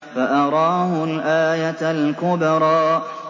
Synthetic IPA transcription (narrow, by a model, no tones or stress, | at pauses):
faʔɑɾˤɑːhʊlʔaːjalkʊbɑɾˤɑːʔ